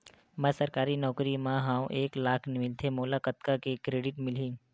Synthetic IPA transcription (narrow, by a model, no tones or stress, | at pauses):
mɛ̃səɾkaːɾinɔːkɾimãɦãʋʔeːklaːkʰnɪmɪlt̪ʰemolakət̪kakekɾeːɖɪʈmɪlĩ